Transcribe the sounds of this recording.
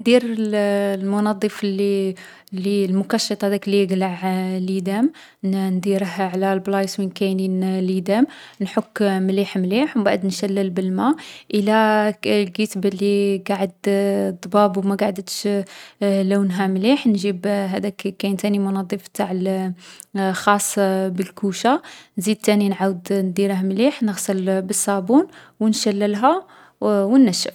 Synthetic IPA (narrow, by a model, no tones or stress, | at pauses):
d̪iɾəlmʊnɑd̪ˤːəfli | lːilmʊkɑʃːɑt̪ˤɑhæd̪æklːiɡlaʕlid̪æm | nd̪iɾəhʕlælblɑjswinkæjninlid̪æmnħʊkːmliħmliħwbaʕd̪nʃælːəlbəlmæʔəlælɡət̪blːiɡaʕəd̪d̪ˤbɑbwmæɡaʕd̪ət̪ʃ | læwnɦæmliħnʒibɦæd̪ækkæjnt̪ænimʊnɑd̪ˤːifb̚t̪aʕəl | xɑsˤːbəlkuʃanzid̪̚t̪æninʕawəd̪nd̪iɾəɦmliħnəɣsˤəlbəsˤːɑbun | wnʃælːəlɦæ | wənːæʃːəf